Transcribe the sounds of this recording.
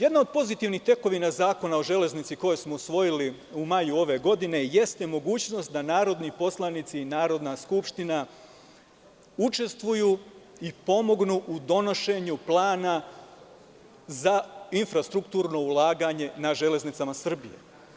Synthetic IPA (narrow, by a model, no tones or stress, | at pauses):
je̞d̪nao̞d̪̚po̞zit̪iʋnixt̪e̞ko̞ʋinazaːko̞nao̞ʒe̞le̞znit̪siko̞je̞smo̞usʋo̞jili | umajuo̞ʋe̞ɡo̞d̪ine̞je̞st̪e̞mo̞ɡuːt͡ɕno̞st̪̚d̪anaːɾo̞d̪nipo̞slˠanit̪siːnaːɾo̞d̪naskupʃt̪ina | ut͡ʃe̞st̪ʋujuː | ipo̞mo̞ɡnuʔud̪o̞no̞ʃe̞ɲuplˠaːna | zainfɾast̪ɾukt̪uːɾno̞ulˠaːɡaɲe̞naʒe̞le̞znit̪samasr̩bḭje̞̰